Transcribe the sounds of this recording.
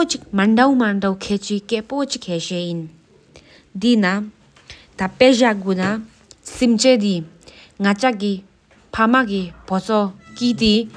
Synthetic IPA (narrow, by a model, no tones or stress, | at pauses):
pot͡ʃik̚maɳdawmaɳdawkʰɛt͡ʃikɛʔpɔt͡ʃik̚hɛʃɛin | d̪ina | d̪apɛʑaɡuna | simt͡ʃed̪i | ŋat͡ʃaɡi | pʰamaɡib̥ɔt͡sɔkit̪i